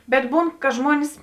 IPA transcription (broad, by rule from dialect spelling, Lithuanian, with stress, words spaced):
bʲɛt ˈbuːn kɐ ˈʒmuɔnʲɪs